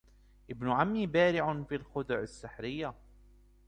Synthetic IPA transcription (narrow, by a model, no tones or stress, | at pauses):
ʔɪbnʊʕamːiːbaːɾɪʕʊnfiːlxʊd̪ʊʕasːɪħɾɪjːa